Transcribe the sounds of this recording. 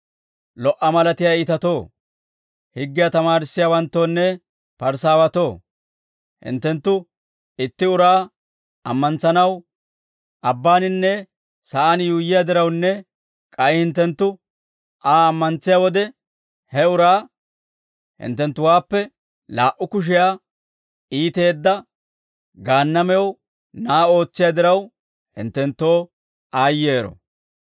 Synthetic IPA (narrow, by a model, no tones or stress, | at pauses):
lɔʔɐmɐlɐt̪ɪjaiːt̪ɐt̪o̞ː | hɪɡːɪjat̪ɐmaːɾɪsːɪjawɐnt̪ːo̞ːnːɛ | pɐɾsaːwɐt̪o̞ː | hɪ̰nt̪ːɛnt̪ːʊ | ɪt̪ːɪʊɾaː | ɐmːɐnt͡sːɐnɐw | ʔɐbːaːnɪnːɛ | sɐʔanjuːjːɪjad̪ɪɾɐwnːɛ | kʼɐjhɪnt̪ːɛnt̪ːʊ | ʔaːmːɐnt͡sːɪjawɔd̪ɛ | hɛʊɾaː | hɪ̰nt̪ːɛnt̪ːʊwaːpːɛ | laːʔʊkʊʃ̬ɪjaː | ʔiːt̪e̞ːd̪ːɐ | ɡaːnːɐmɛw | naːo̞ːt͡sːɪjad̪ɪɾɐw | hɪ̰nt̪ːɛnt̪ːo̞ː | aːjːeːɾɔ̰